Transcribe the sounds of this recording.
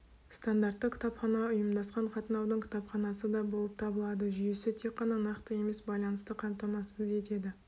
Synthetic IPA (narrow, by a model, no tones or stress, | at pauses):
st̪and̪art̪ːəqkʲʰɪ̥t̪ɑpχɑnɑʊjəmd̪ɑsqɑɴqʰɑt̪ənɑwd̪əɴkʲʰɪ̥t̪ɑpχɑnɑsəd̪ɑbo̞lˠəp̚t̪ʰɑbəlˠɑd̪əʒʏje̞sɪt̪ʰe̞k̚qːɑnɑnɑqt̪əje̞me̞sbɑjlˠɑnəst̪əqʰɑmt̪ɑmɑsəze̞t̪e̞d̪ɪ